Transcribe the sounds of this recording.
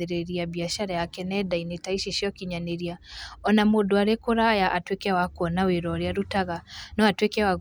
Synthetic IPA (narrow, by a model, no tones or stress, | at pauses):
eɾeɾiabiaʃaɾajakɛnɛdainetaiʃeʃiɔkiɲaneɾiaɔnamodoaɾekoɾajaʔatwekɛwakwɔnaweɾɔɾeaɾutaɣanɔatwekɛwaɣ